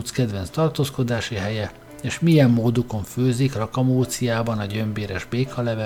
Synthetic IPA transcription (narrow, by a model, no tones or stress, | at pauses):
t̪skɛd̪vɛnst̪ɒrt̪oːsko̞d̪aːʃiɦɛjɛ | eːʃmijɛmːoːd̪uko̞ɱføːzikrɒkɒmoːt̪sijaːbɒnɒɟø̞mbeːɾɛʒbeːkɒlɛvɛ